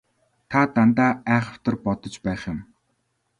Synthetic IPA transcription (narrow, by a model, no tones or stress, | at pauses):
t̪ʰat̪ant̪aːæːχə̥̆w̥t̪ə̆rpɔt̪ɞ̆t͡ɕpæːχjɪ̆m